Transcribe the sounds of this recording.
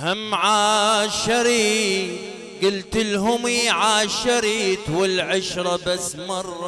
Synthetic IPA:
hɪmʕaːʃɪɾiː | ɡʊlt̪ɪlɦʊmiːʕaːʃɪɾiːt̪wɪlʕɪʃɾˤɑbasːmɑrˤːɑ

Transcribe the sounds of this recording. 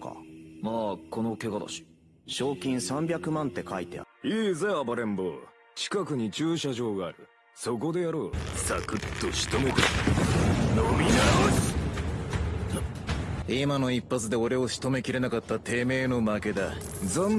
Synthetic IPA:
ka̰maːko̞no̞ke̞ɡad̪a̰ɕi̥ | ɕo̞ːkʲĩɰ̃sãmbʲjakɯ̟mãnt̪e̞kait̪ḛiːzebaɾẽ̞mboː | t͡ɕi̥kakɯ̟ɲ̟it͡ɕɨːɕaʑo̞ːɡaːɾɯ̟ | so̞ko̞d̪e̞jaɾo̞ːsa̰kɯ̟t̪ːoɕi̥t̪o̞met̪e | nomʲinaɾo | imano̞ipːat͡sɨd̪e̞o̞ɾe̞o̞ɕi̥t̪o̞me̞kʲiɾe̞nakat̪ːat̪e̞ːme̞ːno̞make̞d̪a | d͡za

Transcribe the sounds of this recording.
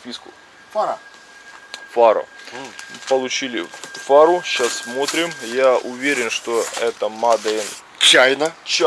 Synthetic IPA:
pʲiskʊ | faɾɐ | faɾɐ̰ | pəlˠʊt͡ɕilʲɪfaɾʊɕasːmo̞t̪ɾʲɪmjaʔʊvʲeɾʲɪnʂt̪oɛt̪əmad̪əɪn | t͡ɕːajnət͡ɕ

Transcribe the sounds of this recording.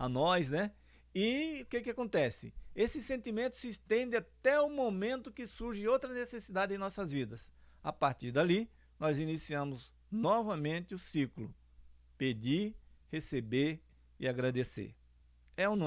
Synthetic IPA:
anɔznɛ | ɪʊkekɪakõnt̪ɛsɪ̰esɪsẽnt̪imẽnt̪ʊ̥sɪːst̪ẽnd̪ɪat̪ɛʊmomẽnt̪ʊkɪsuɾʒɪowt̪ɾɐnesesid̪ad̪ɪẽj̃nɔsɐzvid̪ɐsapaɾt̪iɾd̪ali | nɔzinisiɐ̃mʊz | nɔvɐmẽnt̪ɪʊsiklʊ | ped͡ʒiɾhesebeɾ | ɪ̰aɡɾad̪esḛɾ | ɛũnõ

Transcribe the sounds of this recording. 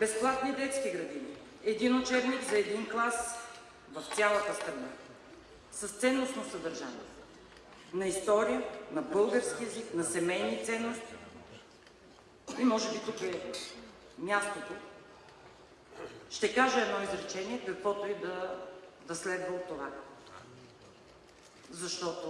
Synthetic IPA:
bɛsplˠat̪nid̪ɛt̪skiɡɾɐd̪ini | ɛd̪inot͡ʃɛɾniɡzɐɛd̪inklˠas | vɐft̪sʲalˠət̪əst̪ɾɐna | səst̪sɛnːost̪nosəd̪ɐɾʒa̰nḭɛ | nɐist̪ɔɾijənɐbɤlˠɡəɾskiɛziknɐsɛmɛjnit̪sɛnːost̪i | imɔʒɛbit̪ukɛ | mʲjast̪ot̪o | ʃt̪ɛkaʒɛɛd̪nɔizɾɛt͡ʃɛniɛkɐkvɔt̪oid̪ɐ | d̪ɐslɛd̪vəlˠt̪ova | zɐʃt̪ɔt̪ʊ

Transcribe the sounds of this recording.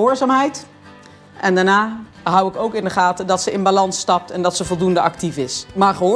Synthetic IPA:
oːɹzaːmɦɛjt | ʔɛndaːɹnaː | ɦʌwɪkowkɪndəχaːtədɑtsəɪnbalɑnstɑp̚tɛndɑtsəvɔlˠdundəʔɑktifɪsmaːɹχəɦː

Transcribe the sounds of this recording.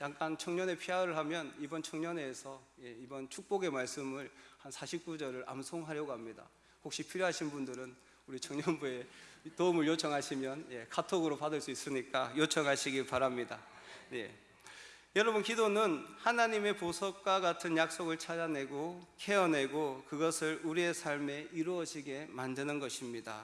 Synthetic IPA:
jaŋk͈ant͡ɕʰʌŋɲʌne̞pʰiaɾɯɭɦamjʌnibʌnt͡ɕʰʌŋɲʌne̞ːsʰʌje̞ibʌnt͡ɕʰuk̚p͈oɡe̞maɭs͈ɯmɯɾhansʰaɕʰip̚k͈ud͡ʑʌɾɯɾʔa̰msʰoŋɦaɾjʌɡoɦamɲida̰ | hok̚ɕ͈ipʰiɾjoɦaɕʰinbundɯɾɯn | uɾit͡ɕʰʌŋɲʌnbue̞toumɯɭjot͡ɕʰʌŋɦaɕʰimjʌnje̞kʰatʰoɡɯɾopadɯɭs͈uis͈ɯɲik͈ajot͡ɕʰʌŋɦaɕʰiɡiɭpaɾamɲida̰je̞̰ | jʌɾʌbunkidonɯnhanaɲime̞posʰʌk̚k͈waɡatʰɯnjak̚s͈oɡɯɭt͡ɕʰad͡ʑane̞ɡokʰe̞ʌnɦe̞ɡokɯɡʌsʰɯɾuɾie̞sʰaɭme̞iɾuʌɕiɡe̞mandɯnɯnɡʌɕʰimɲida̰

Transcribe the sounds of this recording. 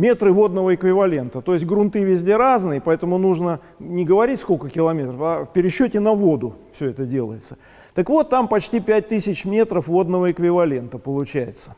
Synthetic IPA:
mʲe̞t̪ɾɨvo̞d̪nəvəɪkvʲɪvɐlʲe̞nt̪ət̪o̞ɪsʲt̚ʲɡɾʊnt̪ɨvʲɪzʲdʲe̞ɾaznɨjəpɐɛt̪əmʊnuʐnə | nʲɪɡəvɐɾʲitʲsko̞lʲkəkʲɪlˠɐmʲe̞t̪ɾəfafpʲɪɾʲɪɕːɵtʲɪnɐvo̞d̪ʊfsʲɵɛt̪ədʲe̞lˠə̰jɪt̪sə̥ | t̪əkvo̞t̪ːampɐt͡ɕtʲipʲæt̚ʲt̪ɨsʲɪt͡ɕmʲe̞t̪ɾəfvo̞d̪nəvəɪkvʲɪvɐlʲe̞nt̪əpəlˠʊt͡ɕæjɪ̰t̪sə̥

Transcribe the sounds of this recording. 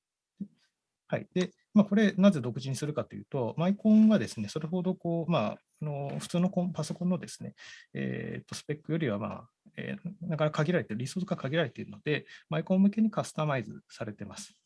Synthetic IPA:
d̪e | haḭd̪̥e̞ | maːko̞ɾe̞naze̞d̪o̞kɯ̟ʑiɲ̟isɨɾɯ̟kat̪ojɯ̟̰ːt̪o̞maikõ̞ɰ̃ɡad̪e̞sɨne̞so̞ɾe̞ɦo̞d̪o̞ko̞ːma | ano̞ɸɯ̥t͡sɨːno̞kõpaso̞kõnːo̞d̪e̞sɨ̥ne̞̰ḛːt̪ːo̞sɨ̥pe̞kːɯjo̞ɾʲiβ̞ama̰ː | ḛːnakanakakaɡʲiɾaɾe̞t̪eɾɯ̟ɾʲisoːsɡakaɡʲiɾaɾe̞t̪eɾɯ̟no̞d̪e̞maikõmːɯ̟ke̞ɲ̟ikasɨ̥t̪amaizɨ̰saɾe̞t̪e̞masɨ̥

